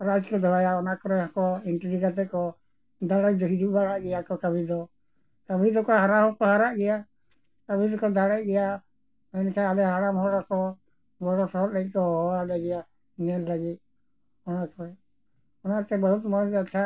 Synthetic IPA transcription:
ɾad͡ʒkɔd̪ʱɔajaɔnakɔɾɛakɔinʈɾikat̪ɛkɔ | d̪aɽɛd̪ɔɦid͡ʒuʔbaɽaʔɡɛjakɔkabʱid̪ɔ | kabʱid̪ɔkɔɦaɾaɦɔkɔɦaɾaʔɡɛja | kabʱid̪ɔkɔd̪aɽɛʔ̚ɡɛja | mɛnkʰaalɛɦaɾamɦɔɽɔkɔ | ɡɔɽɔsɔɦɔt̪̚lɛt̪̚kɔɔwalaɡɛja | nɛlləɡit̪̚ | ɔnakɔɛ | ɔnat̪ɛbəɦut̪̚mɔɾat̪ʰa

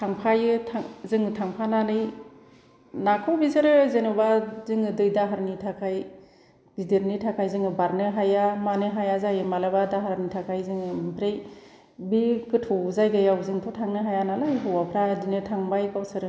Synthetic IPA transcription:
tʰaŋpʰajɯtʰaŋzɯŋɯtʰaŋpʰananɯj | nakʰɯwbisɯɾɯzenubazɯŋɯdɯjdaɦaɾnitʰakʰaj | b̥idiɾnitʰakʰajzɯŋɯbaɾnɯɦajamanɯɦajazajɯmalabadaɦaɾnitʰakʰajzɯŋɯmpʰɾej | bikɯtʰɔzajɡɯjawzɯŋtʰɔtʰaŋnɯɦajanalajɦɯwapʰɾadinɯtʰaŋbajkawsɯɾɯ

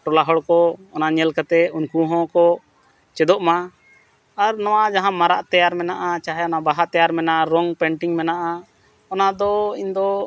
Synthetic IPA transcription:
ʈɔlaɦɔɽkɔɔnaɲɛlkat̪ɛunkuɦɔ̃kɔ | t͡ʃɛd̪ɔʔmaː | ɾnɔwad͡ʒaɦãmaɾaʔt̪ɛjaɾmɛnaʔat͡ʃaɦɛɔnabaɦat̪ɛjaɾmɛnaɾɔŋpɛɳʈiŋmɛnaʔa | ɔnad̪ɔiɲd̪ɔ

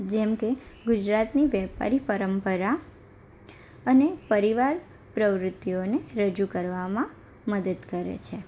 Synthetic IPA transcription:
d͡ʒɛmkeɡʊd͡ʒɾat̪niʋjɛpa̰ɾipəɾəmpəɾa | ənepəɾiʋaɾ | pɾəʋɾʊt̪ːioneɾəd͡ʒukəɾʋamã | məd̪əd̪kəɾḛt͡ʃʰe

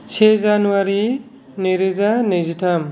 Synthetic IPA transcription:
sʰezanuwaɾi | neɾɯzanezitʰam

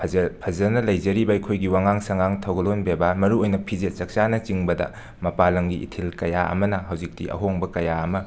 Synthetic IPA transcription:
pʰɐzɐnɐlɐjzɐɾibɐɐjkʰojɡiwaŋaŋsɐŋaŋtʰɐwɡɐlonbebɐmɐɾuojnɐpʰizet̚t͡ʃɐk̚t͡ʃanɐt͡ʃiŋbɐdɐ̰ | mɐpalɐŋɡiʔḭtʰilkɐjaʔɐ̰mɐnɐɦɐwzik̚tiɐ̰ɦoŋbɐkɐjaɐmɐ

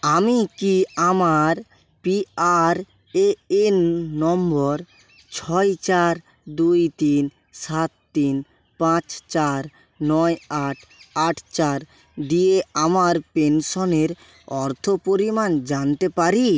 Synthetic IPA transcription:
amikiamaɾ | piaɾ | eenːɔmbɔɾ | t͡ɕʰɔjt͡ɕaɾ | d̪ujt̪in | sat̪ːin | pãt͡ɕt͡ɕaɾ | nɔjaʈʰaʈʰt͡ɕaɾ | d̪ieamaɾpenʃoneɾ | ɔɾt̪ʰopoɾimand͡ʑant̪epaɾi

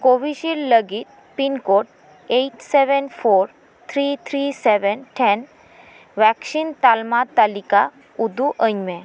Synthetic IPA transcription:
koʋiɕilːəɡit̪̚ | pinkoʈ̚ | eiʈseʋɛnfoɾ | t̪ʰɾit̪ʰɾisɛʋɛnʈʰɛn | ʋɛksint̪almat̪alika | ud̪uʔəɲmẽ

